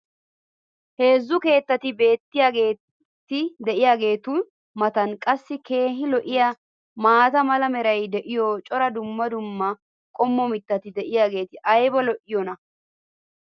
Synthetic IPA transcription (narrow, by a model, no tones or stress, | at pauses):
he̞ːzːʊke̞ːt̪ːɐt̪ɪbe̞ːt̪ːɪjaːɡe̞ː | t̪ːɪd̪ɛʔɪjaːɡe̞ːt̪ʊn | mɐt̪ɐnkʼɐsːɪke̞ːɦɪlɔʔɪja | maːt̪ɐmɐlɐmɛɾɐjd̪ɛʔɪjɔt͡ʃʼɔɾɐd̪ʊmːɐd̪ʊmːɐ | kʼɔmːɔmɪt̪ːɐt̪ɪd̪ɛʔɪjaːɡe̞ːt̪ɪʔɐjbɔlɔʔɪjɔnɐ